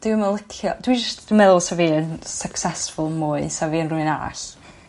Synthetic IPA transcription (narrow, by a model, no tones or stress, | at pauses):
d̥ɪwəməlˠɪkʰjɔd̥wid͡ʒəstʰd̥ɪmɛðʊsaviːənsəksɛsfʊlˠmʊɨsaviənrʊɨna̰ɬ